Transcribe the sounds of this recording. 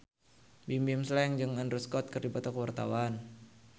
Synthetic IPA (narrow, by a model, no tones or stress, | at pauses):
bimbimslɛŋd͡ʒɨŋandɾuskɔt̪̚kɨrdipat̪akəwart̪a̰wan